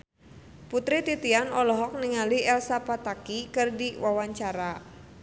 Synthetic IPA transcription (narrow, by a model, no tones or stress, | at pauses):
put̪ɾit̪it̪ianɔlɔɦɔk̚niŋaliɛlsapat̪akikɨrdiwawaɲt͡ʃaɾa